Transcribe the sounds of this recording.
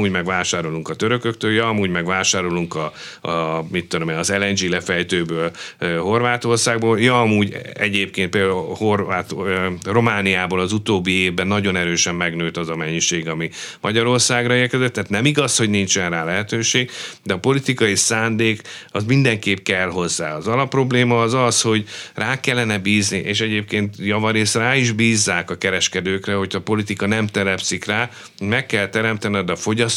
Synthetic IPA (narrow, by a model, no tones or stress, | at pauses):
uːɟmɛɡvaːʃaːɾo̞luŋkɒt̪øɾø̞køk̚t̪øːljɒɒmuːɟmɛɡvaːʃaːɾo̞luŋkɒ | mit̪ːud̪omeːɒzɛlɛnd͡ʒilɛfɛjt̪øːbøːløho̞rvaːt̪o̞rsaːɡboːljɒɒmuːɟɛ̰ɟeːp̚keːn̚peːd̪ho̞rvaːt̪ro̞maːnijaːboːlɒzut̪oːbːieːvbɛnːɒɟo̞nɛɾøːʃɛmːɛɡnøːt̪ɒzɒmɛɲːiʃeːɡɒmimɒɟɒɾo̞rsaːɡrɒeːrkɛzɛt̪ːaːt̪nɛmiɡɒsho̞ɟnint͡ʃɛnraːlɛɦɛt̪øːʃeːɡd̪ɛɒpo̞lit̪ikɒjisaːnd̪eːkɒzmind̪ɛŋkeːpkɛlɦo̞zːa̰ːɒzɒlɒpːro̞bleːmɒːzɒsho̞ɟraːkɛlːɛnɛbiːzniʔeːʃɛɟeːp̚keːnt̪jɒvɒɾeːsraːiʒbiːzːaːkɒkɛɾɛʃkɛd̪øːkrɛho̞cʰɒːpo̞lit̪ikɒnɛmt̪ɛlɛpsikraː | mɛkːɛlt̪ɛɾɛmt̪ɛnd̪ɛfo̞ɟɒs